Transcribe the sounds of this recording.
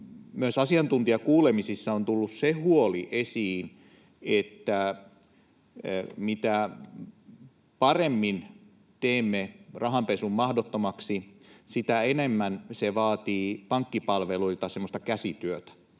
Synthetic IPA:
myøsɑsiɑnt̪unt̪iɑkuːlemisisːɑont̪ulːussehuoliʔesiːn | et̪ːæ | mit̪æ | pɑremːin | t̪eːmːerɑɦɑmpesummɑhdot̪ːomɑksisit̪æenemːænseʋɑːt̪iːpɑŋkːipɑlʋeluilt̪ɑsemːost̪ɑkæsit̪yøt̪æ̥

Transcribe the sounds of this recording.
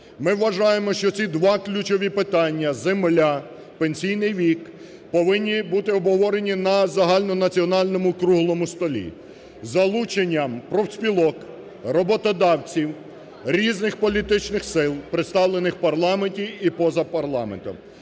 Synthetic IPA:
mɪwːɐʒɑjemɔʃt͡ʃɔt͡sʲid̪ʋɑklʲut͡ʃɔʋʲipɪt̪ɑnʲːɐzemlʲa | penʲsʲijnɪjʋʲik | pɔʋɪnʲːibut̪ɪɔbɦɔʋɔɾenʲinɐzɐɦɑlʲnɔnɐt͡sʲiɔnɑlʲnɔmʊkɾuɦlˠɔmʊst̪ɔlʲḭ | zɐlˠut͡ʃenʲːɐmpɾɔwsʲpʲilˠɔk | rɔbɔt̪ɔd̪ɑwt͡sʲiw | ɾʲiznɪxpɔlʲit̪ɪt͡ʃnɪxsɪlˠpɾet̪st̪ɑwlˠenɪxpɐrlˠɑmenʲtʲiipɔzɐpɐrlˠɑ̰ment̪ɔ̰m

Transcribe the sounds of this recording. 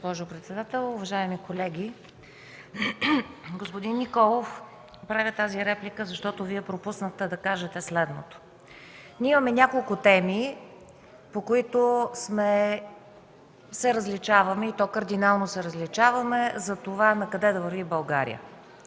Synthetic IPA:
ɡospɔʒopɾɛt̪sɛd̪at̪ɛlˠʊvɐʒaɛmikolɛɡʲi | ɡospod̪inːikɔlˠof | pɾavʲət̪aziɾɛplikəzɐʃt̪ɔt̪oviɛpɾopusnəxt̪ɛd̪ɐkaʒɛt̪ɛslɛd̪not̪o̥ | nʲiɛimɐmɛnʲakolˠkʊt̪ɛmi | pokoit̪osmɛ | sɛɾəzlit͡ʃavɐmɛit̪ɔkəɾd̪inalˠnosɛɾəzlit͡ʃavɐmɛzɐt̪ovanɐkɐd̪ɛd̪ɐvəɾvibɐlˠɡaɾḭə̰

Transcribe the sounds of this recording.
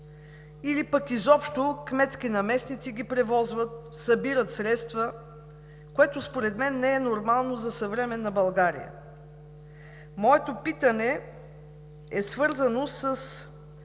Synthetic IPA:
ilipəkizɔpʃt̪okmɛt̪skinɐmɛsnit̪siɡ̟ipɾɛvɔzvət̪ | sɐbiɾət̪sɾɛt̪st̪və | koɛt̪ospoɾɛd̪mɛnːɛɛnoɾmalˠnozɐsɐvɾɛmɛnːɐbɐlˠɡaɾḭjə̰ | mɔɛt̪opit̪ənɛ | ɛsvɤɾzənosəs

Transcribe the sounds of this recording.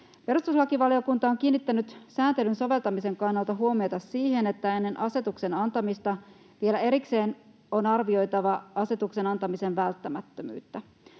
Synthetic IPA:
pe̞ɾust̪uslɑkiʋɑlio̞kunt̪ɑo̞ŋkiːnːit̪ːænyt̪sæːnt̪e̞lynso̞ʋe̞lt̪ɑmise̞ŋkɑnːɑlˠt̪ɑɦuo̞miot̪ɑsːiːhe̞ne̞t̪ːæe̞nːe̞nʔɑse̞t̪ukse̞nɑnt̪ɑmist̪ɑ | ʋielæe̞ɾikse̞ːn | onɑrʋio̞jt̪ɑʋɑɑse̞t̪ukse̞nɑnt̪ɑmise̞nʋælt̪ːæmæt̪ːømy̰ːt̪ːæ

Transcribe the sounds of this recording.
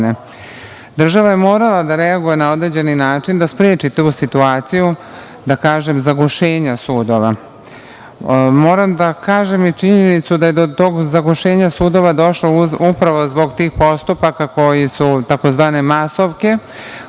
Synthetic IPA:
ne | d̪r̩ʒaʋajemo̞ːɾalad̪aɾeaɡujenao̞d̪ɾe̞d͡ʑe̞ninaːt͡ʃind̪aspɾeːt͡ʃit̪uːsit̪uaːt̪siju | d̪akaːʒe̞mzaɡoʃe̞ːɲasuːd̪o̞ʋa | mo̞ːɾamd̪akaːʒe̞mit͡ʃiɲenit̪sud̪aje̞d̪ot̪oːɡzaɡoʃe̞ːɲasuːd̪o̞ʋad̪o̞ʃlouupɾaʋo̞zbo̞ɡt̪iːxpo̞st̪upakako̞jisut̪ako̞zʋaːne̞maso̞ʋke̞

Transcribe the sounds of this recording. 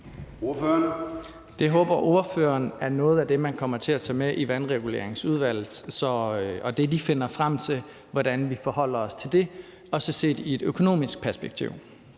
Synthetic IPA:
oføɐn | d̥e̝ɦɔ̽ːb̥ɐʔo̝ɐfø̰ːɐnæɐnɔ̽ːð̞̩ˠæd̥emænkʰɒ̽m̰ɐt͡sʰe̝læt͡sʰɛ̰ːmeʔiʋænʁɛɡ̥ule̝̰ɐ̰eŋsuð̞ˠʋæl̰ð̩ˠsɒ̽ɒ̽d̥e̝dife̝n̰ɐfʁam̰t͡sʰe̝l | ʋɒd̥ænʋifɒhɒ̽l̰ɐɒ̽st͡sʰe̝ld̥e̝ | ɒ̽səse̝̰ːd̥ie̝d̥økʰo̝no̝̰ːmisɡ̥̚pʰæɐsb̥eɡ̥̚t͡sʰḭʊ̰

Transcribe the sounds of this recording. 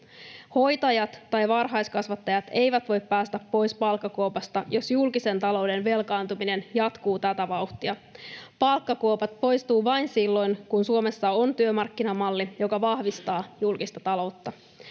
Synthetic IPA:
ho̞jt̪ɑjɑt̪ːɑjʋɑrɦɑjskɑsʋɑt̪ːɑjɑt̪e̞jʋæt̪ʋo̞jppæːst̪æpːo̞jspɑlkːɑkowpɑst̪ɑjo̞sjulkise̞nt̪ɑlo̞wde̞nʋe̞lkɑːnt̪umine̞njɑt̪kuːt̪æt̪æʋɑuwht̪iɑpɑlkːɑkoopɑt̪̚po̞jst̪uːʋɑjnsilːo̞jnkunsuo̞me̞sːɑont̪yømɑrkːinɑmɑlːijo̞kɑʋɑhʋist̪ɑːjulkist̪ɑt̪ɑlo̞wt̪ːɑ

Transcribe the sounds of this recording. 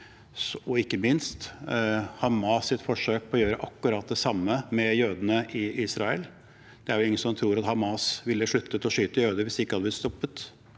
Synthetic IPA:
ɔɪkːəmɪnst̪ | hɑmɑːsːɪt̪fɔʂøːk̚pʰɔjøːɾəʔɑkːʉɾɑːt̪̚d̪ɛsɑmːəmɛjøːd̪ənəʔɪʔiːsɾɑə̰l | d̪̥ɛæɾɛlɪŋːənsɔmt̪ʰɾuːɾɑt̪hɑmɑːsʋɪlːəʂɭʉt̪ːət̪ɔʂyːt̪əjøːd̪əʋɪsɪkːəhɑd̪əb̪lɪt̪st̪ɔpːət̪

